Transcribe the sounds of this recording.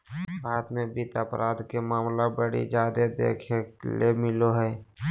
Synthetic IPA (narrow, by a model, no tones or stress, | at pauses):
bʱaːt̪mẽbit̪əpɾʔaːd̪kemaːmlabəɽḭd͡ʒaːd̪ed̪ḛːkʰeklemɪloɦɛː